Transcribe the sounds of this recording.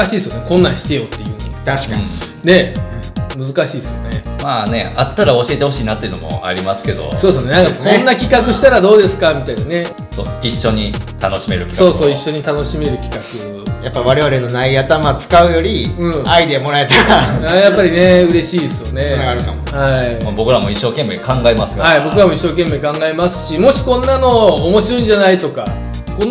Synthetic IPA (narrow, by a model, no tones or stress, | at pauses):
aɕiːsɨjonekõ̞nːãɕi̥t̪e̞jo̞t̪ːe̞jɯ̟ːnt̪aɕi̥ka | ne̞ | mɯ̟zɨkaɕiːsɨjo̞ne̞maːne̞̰at̪ːaɾao̞ɕie̞t̪e̞ho̞ɕiːnat̪ːeiɯ̟nomo̞̰a̰ɾʲimasɨ̥ke̞d̪o̞̰soːsne̞ãŋkakʰõ̞nːakʲikakɯ̟ɕi̥t̪aɾad̪o̞ːd̪e̞sɨ̥kamʲit̪ainane̞ | so̰ːiɕːo̞ɲ̟it̪ano̞ɕime̞ɾɯ̟kʲi̥sko̞ːso̞ːiɕːo̞ɲ̟it̪ano̞ɕime̞ɾɯ̟kʲi̥kakɯ̟ | japːaiβaɾe̞βaɾe̞no̞naiat̪amat͡sɨ̥kaɯ̟jo̞ɾʲiɯ̟̃ːaid̪e̞mo̞ɾae̞t̪aɾajapːaɾʲineɯ̟ɾe̞ɕiːd̪esɨjone̞naɡaɾɯ̟ka̰mohaimabo̞kɯ̟ɾamoiɕːo̞ːkẽ̞mːeːkãŋɡaemasɨ̥johaibo̞kɯ̟ɾamo̞iɕːo̞ːke̞mːeːkãŋɡaemasɨ̥ɕimo̞ɕi̥kõ̞nːano̞ːmo̞ɕiɾo̞ĩɲ̟d͡ʑanait̪o̞ka | kõnː